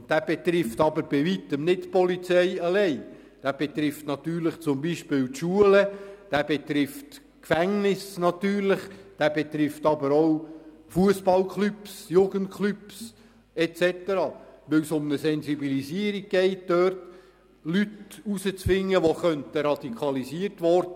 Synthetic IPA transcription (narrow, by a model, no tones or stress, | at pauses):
d̥æːb̥ɛt̪ɾɪft̪ɑbəɾb̥iʋit̪əmnɪtpɔlit͡sɛɪɑlɛɪ | d̥æːb̥ɛt̪ɾɪftnɑt̪yːɾləχt͡sʊmbiʃpɪːltʃuələd̥æːb̥ɛt̪ɾɪft | kfæŋnɪsnɑt̪yːɾlɪχd̥æb̥ɛt̪ɾɪft̪ɑbəɾow | fuəsb̥ɑlkχlypsjuɡ̥ənt̚kχlyps | ɛtt͡sɛt̪əɾɑːʋɪwsʊmnəsɛnsibilisiːəɾiɡ̥̚ɡ̥ɛɪt̚d̥œːrt | lytusət͡sfɪŋːəʋoχœnt̪əɾɑd̥̪ikʰɑlisiərtʋɔrdə